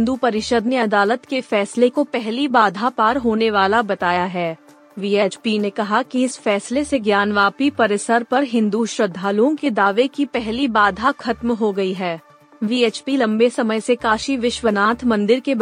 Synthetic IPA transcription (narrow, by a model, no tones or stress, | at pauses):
ɦɪ̃nd̪upɐɾɪʃəd̪neɐd̪aːlət̪kefɛːslekopɛɦlibaːd̪ʱapaːɾɦoːneʋaːlabɐt̪aːjaɦɛː | ʋiːeːt͡ʃpinekɐɦakiɪsfɛːsleseɡjaːnʋaːpipɐɾɪsəɾpɐɾɦɪ̃nd̪uʃɾɐd̪ʱːaːluõked̪aːʋekipɛɦlibaːd̪ʱaxʰɐt̪mɦoɡɐiɦɛː | ʋiːeːt͡ʃpilɐ̃mbesɐməjsekaːʃiʋɪʃʋənaːt̪ʰmɐ̃nd̪ɪɾke